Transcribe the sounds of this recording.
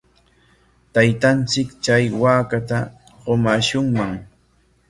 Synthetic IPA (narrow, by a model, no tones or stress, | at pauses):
t̪ajt̪ant͡sɪkt͡ʃajwaːkat̪a | ɢomaʃʊŋmaŋ